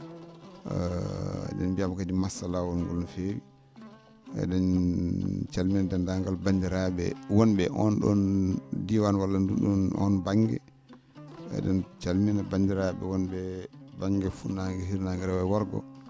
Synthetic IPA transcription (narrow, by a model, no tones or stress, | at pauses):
ɗɛ̰nbijamakadimasalawɔnɡɔ̰lnɔfewi | ɛ̰ɗɔn | t͡ʃalminadɛndaŋɡalbaɲd͡ʒɛɾaɓɛ̰wɔnɓɛʔɔnɗɔ̰ndiwanwalːanduɗɔnɔ̰nbaŋɡɛ̰ | ɛ̰ɗɔnt͡ʃalminabaɲd͡ʒɛɾaɓɛ̰wɔnbɛbaŋɡɛfunaŋɡɛɦiɾnaŋɡɛɾawɛwaɾɡɔ̰